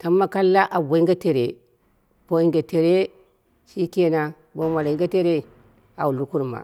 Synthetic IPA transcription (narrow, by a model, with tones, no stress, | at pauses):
ta˨˦mːa˦ka˦lːa˦ʔa˨bo˨i˦ŋɡa˦te˨ɾḛ˨ | po˦i˦ŋɡa˨te˨ɾe˦ | ʃi˦ke˦na˨ | bo˦ma˨li˦ŋɡa˦te˦ɾe˦˨ | a˨wu˨lu˦ku˦ɾma̰˨